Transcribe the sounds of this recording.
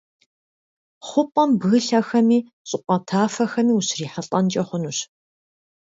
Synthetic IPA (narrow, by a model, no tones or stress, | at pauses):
χʷʊpʼɐmbɣɨɬɐxɐmiː | ɕʼɪqʷʼɐtʰaːfɐxɐmiːuɕriːħɐɬʼɐnt͡ʃʼɐχʷʊnuɕ